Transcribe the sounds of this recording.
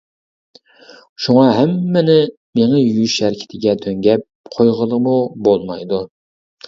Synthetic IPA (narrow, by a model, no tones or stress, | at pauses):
ʃuŋɑɦæmːɪnɪ | meŋɛjyʃæɾkʲʰɪ̥t̪ʰɪɡʲɛt̪ʰøŋɡʲɛp̚qʰojʁəlˠəmubolˠmɑjd̪u